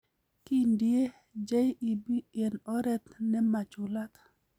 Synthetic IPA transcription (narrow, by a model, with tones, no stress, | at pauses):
ki˦ndɪe˦ | d͡ʒa˦ji˨bi˦ɛ˨nɔ˦ɾɛ˦t̪nɛ˦ma˨t͡ʃʊ˨la˦t̪